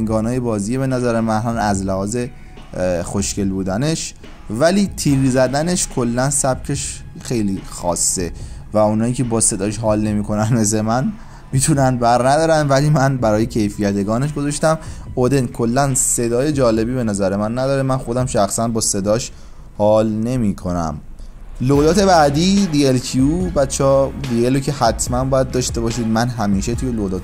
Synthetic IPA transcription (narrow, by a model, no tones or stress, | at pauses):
eŋɡɒːnɒːje̞bɒːziːjebe̞næzæɾemænhɒːnæzlehɒːze̞ | xoʃce̞lbuːd̪æne̞ʃ | væliːt̪ʰiːɣiːzæd̪æne̞ʃkʰo̞lːænsæb̥cʰe̞ʃ | xe̞jliːxɒ̰ːsːevæunhɒːiːcʰe̞bɒːse̞d̪ɒːʃɦɒːlne̞miːkʰo̞nænme̞s̬e̞mæn | miːt̪ʰunænbæɾnæd̪ɒːɾænvæliːmænbæɾɒːje̞cʰe̞jfijæt̪eɡɒːneʃ̬ɡo̞zɒʃt̪æmod̪e̞nkʰo̞lːænse̞d̪ɒːje̞d͡ʒɒːle̞biːbe̞næzæɾemænːæd̪ɒːɾemænxo̞d̪æmʃæxsænbɒːse̞d̪ɒːʃ | hɒːlne̞miːkʰo̞næ̰m | loɣlɒːt̪ʰe̞bæd̪iːd̪ielkʰiuːbæt̪t͡ʃʰːɒːd̪ielocʰehæt̪ʰmænbɒːjæd̪̚ːɒːʃt̪e̞bɒːʃiːd̪mænɦæmiːʃe̞t̪ʰuːjeloɣd̪ɒːt̪